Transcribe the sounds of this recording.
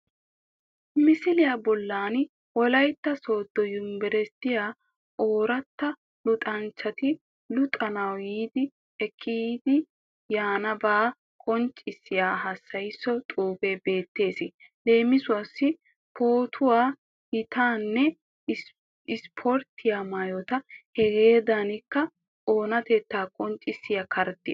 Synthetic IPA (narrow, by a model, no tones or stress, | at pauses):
mɪsɪlɪjaːbɔlːaːn | wɔlɐjt̪ːɐso̞ːd̪̥ːɔjʊmbɛɾɛst̪ːɪjaː | oːɾɐt̪ːɐ | lʊt̪ʼɐnt͡ʃːɐt̪ɪ | lʊt̪ʼɐnɐwjiːd̪ɪ | ɛkʰːid̪ɪ | jaːnɐbaː | kʼɔnt͡ʃʼɪsːɪjaːɦɐsːɐjsːɔt̪ʼuːbebe̞ːt̪ːe̞ːsɪle̞ːmɪsʊɐsːɪ | pʰoːt̪ʰʊwaː | hɪt̪aːnːɛ | ɪspʰɔɾt̪ʰːɪjaːmaːjɔt̪ɐhɛɡe̞ːd̪anɪkːɐ | o̞ːnɐt̪et̪ːaːkʼɔnt͡ʃʼːɪsːɪjɐkʰɐɾd̪ɪ